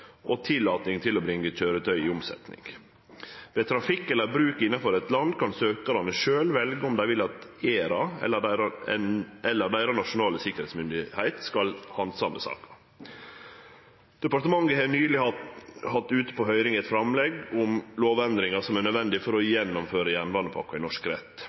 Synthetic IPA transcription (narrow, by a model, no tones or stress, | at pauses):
ʔɔt̪ʰɪlːɑːt̪nɪŋt̪ʰɪlɔbɾɪŋːəc͡çøːɾət̪ʰœʏɪʊmsɛ̰t̪nɪ̰ŋ | ʋɛːt̪ʰɾɑfɪkːɛlːəɾbɾʉːkɪnːɑfɔɾɛt̪lɑnd̪kʰɑnsøːkɑɾɑnəʂøːlʋɛlɡəʊmd̪æɪʋɪlːɑt̪eːɾɑɛlːəæɾɑ | ɛlːəɖ̪æɪɾɑnɑʂʊnɑːləsɪkːəɾhɛɪt̪smʏnd̪ɪhæɪt̪skɑlhɑnd̪sɑmːəsɑ̰ːkɑ̥ | d̪̥ɛpɑɾt̪əmɑŋːəhɛnyːlɪhɑhɑt̪ːʉːt̪ə̥pʰoːhœʏɾɪŋɛt̪fɾɑmlɛɡʊmloːʋɛnd̪ɾɪŋɑsɔmæɾnœd̪ʋɛnd̪ɪfɔɾɔjɛnːɔmføːɾəjænʋɑnəpʰɑ̰kːɑɪnɔʂkɾɛ̰t̪ː